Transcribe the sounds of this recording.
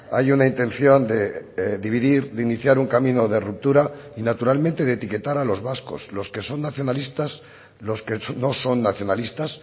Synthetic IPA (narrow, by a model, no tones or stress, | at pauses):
a̰junaint̪ẽ̞nθjo̞nd̪e̞ðiβ̞iðiɾðd̪einiθjaɾuŋkamĩno̞ðerup̚t̪uɾainat̪uɾalmẽ̞nt̪e̞ðet̪ike̞t̪aɾalo̞zβasko̞̰slo̞ske̞so̞nːaθjo̞nalist̪as | lo̞skeno̞so̞nːaθjo̞nalist̪as